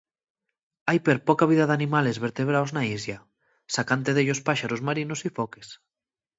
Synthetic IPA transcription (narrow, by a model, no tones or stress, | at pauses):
ajpeɾpokaβ̞iðaðanimalezβeɾt̪eβ̞ɾawznaizja | sakant̪̬eðeʎospaʃaɾozmaɾinosifɔkes